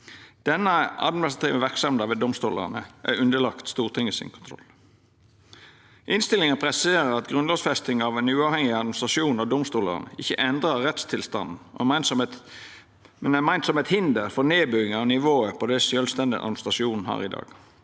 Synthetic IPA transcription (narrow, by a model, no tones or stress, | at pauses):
d̪̥ɛnːəɑ̰d̪mɪnɪst̪ʁɑt̪ʰiːʋn̩ʋæʁksɑmd̪ɑʋeːd̪ɔmst̪uːlə̰ʁnəʔæɾʉnd̪əlɑkt̪st̪uːʁt̪ʰɪŋːəsɪ̰nkʰʊnt̪ʰɾɔ̰lː | ʔɪnst̪ɪlɪŋəpʰɾɛseːɾəɾɑt̪ɡʁʉnlɑːɡsfɛst̪ɪŋɑʋɛnʉːɑːʋhɛŋɪɑd̪mnst̪ʁɑʃuːnɑd̪ʊmst̪uːlə̰ʁnə̰ɪçəʔɛnd̪ɾəʁɛt̪st̪ʰɪlst̪ɑ̰nn̩ɔ̰mæɪnsɔmɛt̪ | mnmæɪnt̪sɔmɛt̪hɪnd̪əɾfɔʁneːbyːɪŋɑnɪʋoːəpʰɔd̪ɛsjœːlst̪ɛnd̪ɪ̰ʔɑ̰d̪mnst̪ʁɑʃuːnn̩hɑ̰ːɾɪd̪ɑ̰ːɡ̥